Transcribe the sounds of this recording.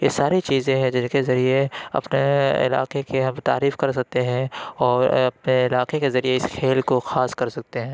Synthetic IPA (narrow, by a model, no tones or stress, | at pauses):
jesaːɾit͡ʃiːzẽɦɛ̃d͡ʒɪnkezɐɾieɐ̰pneɪ̰la̰ːqekeɦɐmt̪a̰ːɾiːfkɐɾs̬ɐk̚t̪eɦɛ̃ɔːɾɐp̚neɪlaːqekezɐɾieɪskʰeːlkoxaːskɐɾsɐk̚t̪eɦɛ̃ː